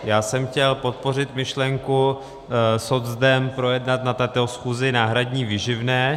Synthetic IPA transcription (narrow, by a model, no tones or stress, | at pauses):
jaːsɛmxcɛlpo̞t̪̚po̞rɪt̪mɪʃlɛŋku | sozd̪ɛmpɾo̞jɛdnat̪nat̪ɛt̪osxuːzɪnaːɦɾadɲiːvɪʒɪvnɛː